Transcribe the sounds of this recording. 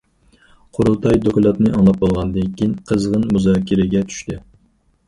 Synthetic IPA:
qʰoɾut̪ʰɑjd̪okʲlˠɑt̪nɨʔɑŋlˠɑp̚bolˠʁɑnd̪ɪŋkʲinqʰəzʁənmuzɑːkʲʰiɾɪɡʲɛt͡ʃ̪ʰy̥ʃt̪ɪ

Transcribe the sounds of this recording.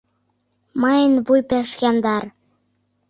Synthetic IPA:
mɑjənβujpeʃjɑnd̪ɑr

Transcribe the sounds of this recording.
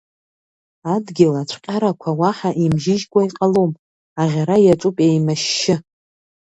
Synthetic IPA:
adɡʲɪlat͡ɕʷʰqʲʼaɾakʷʰawaħaʔimʒɪʒɡʷaiqʼalom | aʁʲaɾajat͡ʃʷʼupʼejmaʃːɪ

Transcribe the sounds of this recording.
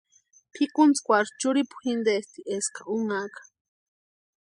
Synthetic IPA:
pʰikunt͡skʷaɾt͡ʃuɾipu̥xind̪est̪iʔeskauŋakḁ

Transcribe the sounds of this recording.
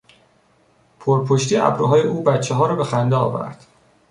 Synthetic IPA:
pʰoɾpʰoʃt̪iːæ̰bɾuɦɒːjeʔuːbæt̪t͡ʃʰːeɦɒːɾɒːbe̞xænd̪eɒ̰ːvæ̰ɾd̪̥

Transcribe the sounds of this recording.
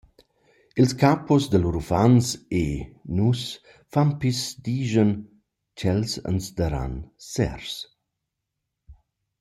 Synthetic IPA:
ilskapɔsd̪əluɾufansenus | fampisd̪iːʒən | t͡ʃɛlsə̰nsd̪əɾa̰nsɛ̰ɾs

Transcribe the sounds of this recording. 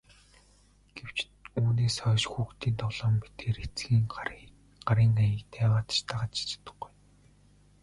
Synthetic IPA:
ɡ̥ew̥t͡ɕ | uːneːsœːʃxuːkt̪iːnt̪ʰɔɮɔːmpi̥t̪eːɾet͡sɡiːŋ | ɢaɾiːŋajə̆kt̪ʰeːwaːt̪t͡ɕt̪ʰaʁat͡ɕi̥t͡ɕɪ̥t̪ə̥̆χɡuj

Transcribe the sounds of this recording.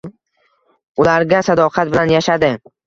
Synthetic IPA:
ʊlaɾɡʲasad̪ɒqʰɑt̪̚bɪlanjaʃad̪ɪ

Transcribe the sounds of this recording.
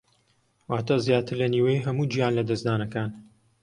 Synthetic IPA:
waːt̪azjaːt̪ɨɾlɐniːwɐjiɦɐmuːd͡ʒijaːnlɐd̪ɐzd̪aːnɐkaːn

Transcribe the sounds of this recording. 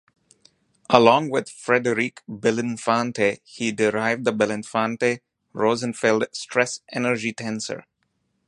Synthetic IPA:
ʔəlɔ̃ːŋwɪd̪̥fɾɛdəɾikbɛlɪ̃nfãntʰehiɖɪɾaɪv̚d̪əbɛlɪ̃nfãːnte | ɹoːzə̃nfeldsʈʰɹɛsʔɛnəɾd͡ʒiʈʰæ̃nsə̰ɹ

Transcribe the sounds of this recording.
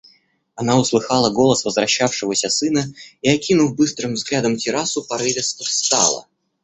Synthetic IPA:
ɐnaʊslˠɨxɑlˠəɡo̞lˠəsvəzvɾɐɕːafʂɨvəsʲəsɨnəiɐkʲinʊfbɨst̪ɾɨmvzɡlʲad̪əmtʲɪɾasʊpɐɾɨvʲɪsʲəfst̪a̰lˠə̰

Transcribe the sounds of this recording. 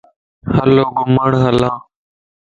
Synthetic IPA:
həloːɡʊməɳɦəlãː

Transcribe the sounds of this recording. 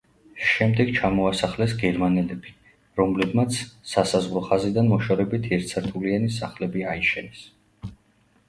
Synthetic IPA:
ʃɛmd̪ɛɡt͡ʃʰamɔasaχlɛsɡɛɾmanɛlɛbi | ɾɔmlɛbmat̪sʰsasazʁɾɔχazid̪anmɔʃɔɾɛbit̪ʰiɛɾt̪sʰaɾt̪ʰulianisaχlɛbiaiʃɛnɛs

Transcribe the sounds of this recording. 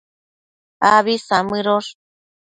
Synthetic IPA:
aβisamɨɾoʂ

